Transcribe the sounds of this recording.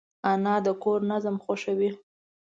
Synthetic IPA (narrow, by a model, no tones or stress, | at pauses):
anɑd̪əkoɾnazəmxoʃawi